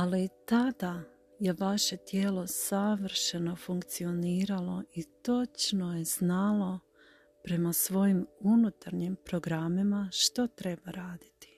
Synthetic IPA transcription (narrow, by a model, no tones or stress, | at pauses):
alit̪ad̪a | je̞ʋaʃe̞t̪je̞ːlo̞saʋrʃe̞no̞fuŋkt̪sio̞niːɾalo̞it̪o̞t͡ʃno̞jez̥nalˠo̞ | pɾe̞masʋo̞jimunut̪aɾɲimpɾo̞ɡɾamimaʃt̪ot̪ɾe̞baɾaːd̪i̥t̪i̥